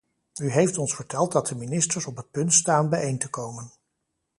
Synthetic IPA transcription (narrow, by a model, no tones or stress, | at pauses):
yɦejftɔnsfəɹtɛlˠt̚dɑt̚dəminɪstəɹsɔpɦət̚pɵntstaːnbɛjejntəkowmən